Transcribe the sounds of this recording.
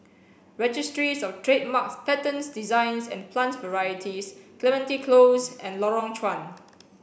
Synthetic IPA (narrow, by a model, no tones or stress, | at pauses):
ɹɛd͡ʒistɹisɔftʰɹet̚makspɛtə̃nsdizãɪ̃nsɛ̰̃npʰlãntvəɹajətʰisklɛmɛ̃ntikʰlosɛ̃nlɔɹɔ̃ŋt͡ʃʰwãn